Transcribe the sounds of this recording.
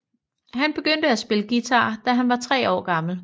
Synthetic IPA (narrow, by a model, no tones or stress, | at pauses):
ɦænb̥e̝ɡ̥øn̰d̥əæsb̥e̝ləɡ̥it͡sʰɑ̈ːd̥æɦænʋɑ̈t͡sʰʁɛ̰ːɒ̰ːɡ̥ɑ̈ml̩